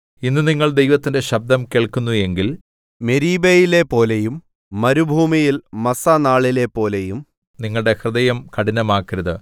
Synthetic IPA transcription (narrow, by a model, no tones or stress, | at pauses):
inːɨniŋːɐɭd̪ejʋɐt̪ːinde̞ɕɐb̚d̪ʱɐmkeːɭkunːue̞ŋɡil | meɾiːbejile̞po̞ːlejumː | ɐɾubʱuːmijilmɐsɐnaːɭile̞pːo̞ːlejum | niŋːɐɭɽe̞hrɨðɐjɐmkɐɽinɐmaːkːiɾɐðɨ